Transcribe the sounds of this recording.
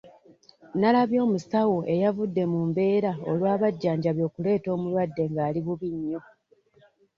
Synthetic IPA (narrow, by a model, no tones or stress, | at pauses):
nalaβjo̞ːmusawoʔe̞javudːe̞muːmbe̞ːɾaolwaːβaɟːaːɲɟaβjo̞ːkule̞ːto̞ːmulwadːe̞ŋɡaːliβuβiɲːo̞